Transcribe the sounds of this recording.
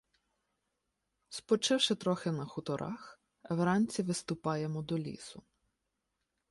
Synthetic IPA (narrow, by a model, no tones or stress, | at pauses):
spɔt͡ʃɪwʃɪt̪ɾɔxɪnɐxʊt̪ɔɾʔɑ̰x | ɛʋɾɑnʲt͡sʲiʋɪst̪ʊpɑjemɔd̪ɔlʲḭsʊ